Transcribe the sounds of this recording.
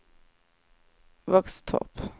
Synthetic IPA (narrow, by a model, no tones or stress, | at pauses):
vakst̪ʰɔ̰p